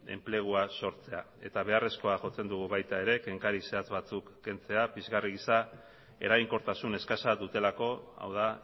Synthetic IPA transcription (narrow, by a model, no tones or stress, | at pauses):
e̞̰mple̞ɣ̞uaso̞ɾt͡se̞a | e̞̰t̪aβ̞e̞are̞sko̞aʝo̞t͡se̞nd̪uɣ̞uβajt̪ae̞ɾe̞ke̞ŋkaɾise̞at͡sβat͡sukːe̞nt͡se̞apizɣariɣisa | e̞̰ɾajŋko̞ɾt̪asune̞skasadut̪e̞lako̞a̰wða